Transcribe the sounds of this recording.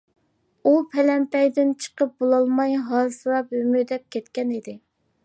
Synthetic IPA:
upʰɛlɛmpɛjd̪ɪnt͡ʃʰə̥qəp̚bolˠɑlˠmɑjɦɑsɨɾɑpymyd̪ɛp̚kʲʰɛt̪kʲɛnid̪ɪ

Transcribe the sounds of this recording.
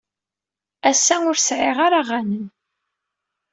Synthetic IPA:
æsːæʊɾsʕɪʁaɾaʁænən

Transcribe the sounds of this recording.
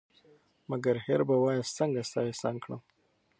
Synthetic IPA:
maɡaɾheɾbawɑjast͡səŋɡast̪ɑjesɑŋkɽə̰m

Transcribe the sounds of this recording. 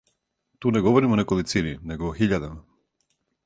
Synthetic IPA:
t̪uːnɛɡɔvɔɾimɔnɛkɔlˠit̪sininɛɡoːxiʎad̪ama

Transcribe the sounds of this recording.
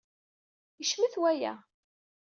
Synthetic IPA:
iʃmiθwæjæ̰

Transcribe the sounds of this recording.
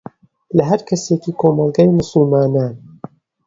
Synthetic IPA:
lɐɦɐɾkʰɐsekiːkʰoːmɑlˠɡaːjmʊsɨlmaːnaːn

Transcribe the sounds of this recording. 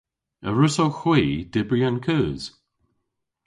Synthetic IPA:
əɹʊsowxwiːd̥ɪbɹiankʰəːz̥

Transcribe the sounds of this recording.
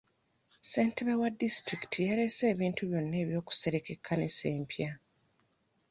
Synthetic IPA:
se̞ːntiβewadistɾiki̥tʰijaɾe̞se̞ːβiːntuβjo̞nːe̞ːβjo̞ːku̥se̞ɾekekʰːanese̞ːmpja

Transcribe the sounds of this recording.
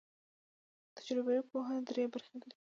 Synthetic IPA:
t̪ḁd͡ʒɾɪbawipoɦad̪ɾebaɾxed̪d̪i

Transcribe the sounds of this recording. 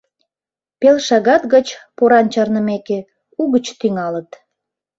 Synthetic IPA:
pelʃɑɣɑt̪ɣət͡ɕpoɾɑnt͡ɕɑrnəmeke | uɣət͡ɕt̪yŋɑlət̪

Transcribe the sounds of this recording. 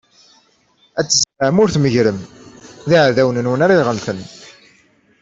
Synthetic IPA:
æt͡sːəzləʕəmʊɾθməʝɾəmðiʕðæwnənwənaɾˤiʁəlθən

